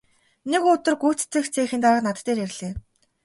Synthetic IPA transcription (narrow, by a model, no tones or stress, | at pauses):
nekʊt̪ə̆rɡu̥ːt͡st͡sɘ̆xt͡sʰeːxɘ̆nt̪aə̆qnat̪t̪ːeːɾerʲɮeː